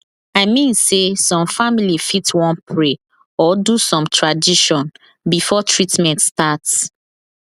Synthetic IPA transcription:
aɪmĩnsesɔ̃mfamilifitwɔ̃npʰɹe | ɔdusɔ̃mtʰɹadiʃɔ̃n | bifɔtʰɹitmɛ̃ntstats

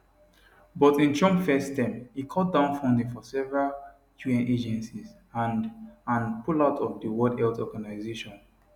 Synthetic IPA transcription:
bɔtĩnt͡ʃɔ̃mfɛstɛ̃mhikʰɔt̚dãʊ̃nfɔ̃ndĩŋfɔsɛvɛɹal | kʰjuɛ̃nʔed͡ʒɛ̃nsiz | anãnpʰulaʊtʰɔvdəwɔdhɛltɔɡanaɪzeʃɔ̃n

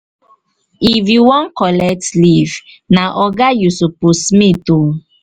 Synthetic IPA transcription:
ifjuwɔ̃nkɔlɛk̚tliv | naʔɔɡajusopusmito

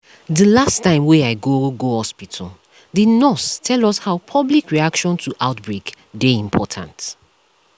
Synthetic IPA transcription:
dəlastãɪ̃mwɛaɪɡoɡohɔspitʰɔ̰ | dinɔstʰɛlɔshaʊpʰɔblikɹiakʃɔ̃ntʰuʔaʊtbɹek | deĩmpʰɔtʰã̰nt

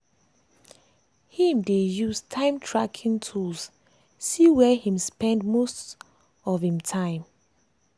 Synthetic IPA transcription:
hĩmdejustʰãɪ̃mtʰɹakʰĩŋtʰuls | siwɛhĩmspɛ̃ndmost | ɔvhĩmtʰãɪ̃m

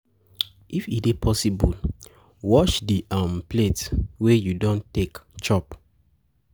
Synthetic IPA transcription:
ifidepʰɔsibul | wɔt͡ʃdiʔãmpletwejudɔ̃ntekt͡ʃɔp

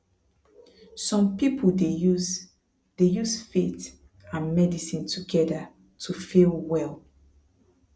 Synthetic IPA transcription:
sɔ̃mpipʰude | d̥ejuzfet | ãnmɛdisĩntʰuɡɛda | tʰufilwɛl

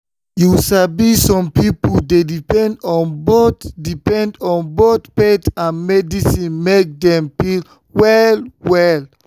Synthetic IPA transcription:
jusabisɔ̃mpipuldedipɛ̃ndɔ̃nbotdipɛ̃ndɔ̃nbotpetãnmɛdisĩnmek̚dɛ̃mpil | wɛlwɛl

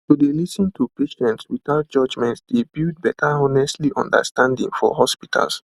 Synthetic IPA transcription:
tudelisĩntʰupeʃɛ̃ntswiθaʊt̚d͡ʒ̥ʌd͡ʒmɛ̃ntsd̥̪ebid̚bɛtʰəɔnɛstliʔɔ̰̃ndə̰stãndḭ̃ŋfɔ̰ɦɔspitʰa̰lˠs

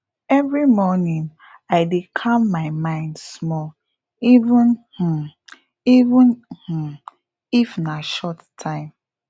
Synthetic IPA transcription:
ɛvɹimɔnĩŋ | aɪdekʰamːaɪmãɪ̃ndsmɔl | ivũnh̩ | ivũnh̩ | ifnaʃɔttʰãɪ̃m

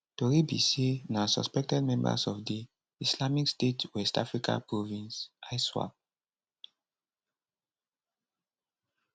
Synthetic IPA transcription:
toɹibḭsenasɔ̰spɛk̚tɛdmɛ̃mba̰sɔfdi | islamikstetwɛstafɹika̰pɹovĩnsʔajswa̰p̚

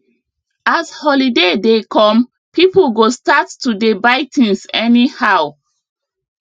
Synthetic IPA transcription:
ashɔlidedekʰɔ̃m | pʰiplɡostatːudebaɪtĩnsɛnihaw

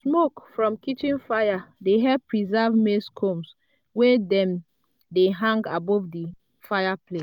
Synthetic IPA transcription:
smokfɹɔ̃mkitĩnfajadeɦɛpɹizɛvmeskʰoms | wedɛ̃m | deɦãŋɡabɔvdi | fajapʰle

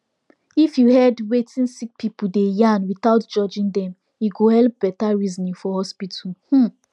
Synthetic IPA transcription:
ifjuhɛdwetĩnsik̚pʰipudejãnwiθaʊtd͡ʒɔd͡ʒĩŋdɛ̃m | juɡohɛlp̚b̥ɛtaɹizɔnĩfɔhɔspitʰulh̩

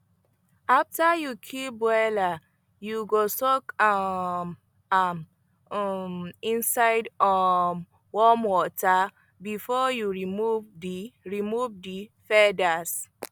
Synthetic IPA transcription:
aftajukʰibwɛla | juɡosɔk | m | m | mĩnsaɪdɔm | wɔmwɔta | bifɔjuɹimuvdiɹimuvdifɛdas

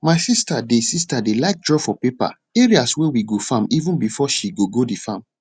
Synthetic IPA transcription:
maɪsistadesistadelaɪk̚dɹɔfɔpepa̰ | eɹiaswewiɡofãmivũnbifɔʃiɡoɡodifãm

